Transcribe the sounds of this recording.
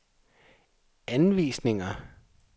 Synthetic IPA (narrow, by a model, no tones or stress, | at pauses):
ænʋḭːsne̝ŋɐ